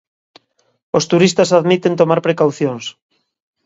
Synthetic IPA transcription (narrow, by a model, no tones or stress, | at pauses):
ost̪uɾist̪asaðmit̪ent̪omaɾpɾekawθjoŋs